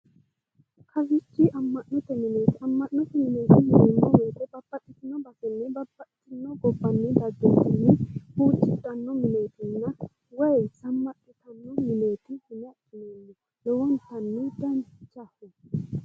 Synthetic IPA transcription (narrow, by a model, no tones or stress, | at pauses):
kʰɐfɪt͡ʃːɪʔɐmːɐʔnɔt̪ːɛmɪneːt̪ɪɐmːɐnːʊt̪ːɛmɪne̞ːt̪ɪhɪnɪnːɔweːkɔb̥ɐbːɐtʼːɪt̪ːɪnɔbɐsɪnːɛbɐbːɐʔʼɪt̪ːɪnːɔɡɔbːɐnːɛd̪ɐd̪ːɛsɪnːɛhuːt͡ʃʼːɪt̪ʼːɐnːɔmɪne̞ːt̪ɪnːɐ | wɛjsɐmːɐtːɪt̪ɐnːɔmɪne̞ːt̪ɪhɪnɛɐt͡ʃːɪnonːɛ | lɔwɐnhɐnːʊd̪ɐnd̪t͡ʃːɐfɛ